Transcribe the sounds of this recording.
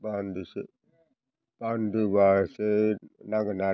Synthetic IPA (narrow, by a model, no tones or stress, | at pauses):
banduse | b̥anduβasenaɡəna